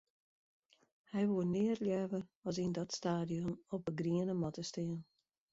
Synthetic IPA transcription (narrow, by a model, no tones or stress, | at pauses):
hɛjʋuənɪərljɛʋərɔsindɔtstaːdijɔnɔpəɡriənəmɔtəstɪən